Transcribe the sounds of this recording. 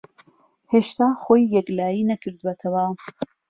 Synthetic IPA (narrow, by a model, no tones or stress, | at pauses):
heːʃt̪aːxoːjːɛklaːjinɐkʰɨɾd̪uwɐt̪ʰɐwɐ